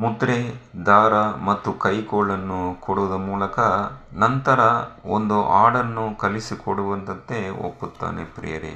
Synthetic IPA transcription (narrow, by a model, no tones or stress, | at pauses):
mut̪ɾed̪aːɾɐmɐt̪ːukɐjkoːɭɐnːukoɽuʋɐd̪ɐmuːlɐkɐnɐnt̪ɐɾɐond̪uʔaːɽɐnːukɐlisikoɽuʋɐnt̪ɐnt̪e̞o̰pːut̪ːa̰ːnḛpɾḭjɐɾḭ